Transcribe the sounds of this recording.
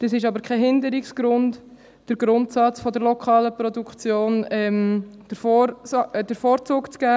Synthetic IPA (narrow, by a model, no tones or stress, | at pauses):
d̥əsɪʃɑbəɾkʰɛɦɪndəɾiksɡ̥ɾʊnt | d̥əɾɡ̥ɾʊntsɑt͡sfɔdəɾlɔkʰχɑːləpɾɔdukt͡sjoːnɛmd̥əf | d̥əɾfoːɾt͡suːkt͡sɡ̥æː